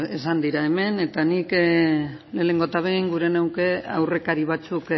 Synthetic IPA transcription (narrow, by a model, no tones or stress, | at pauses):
esand̪iɾaeme̞ne̞t̪anik | le̞ːne̞ŋɡo̞t̪aβ̞ejŋɡuɾe̞newke̞a̰wre̞kaɾiβat͡suk